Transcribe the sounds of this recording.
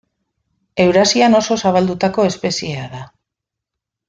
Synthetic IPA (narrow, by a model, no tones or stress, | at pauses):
e̞wɾasiano̞so̞saβ̞ald̪ut̪ako̞e̞spe̞sie̞aða